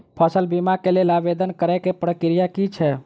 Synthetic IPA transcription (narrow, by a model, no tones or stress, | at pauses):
pʰəsəlbimakelelabed̪ənkəɾɛkepɾəkɾijakit͡ʃʰɛ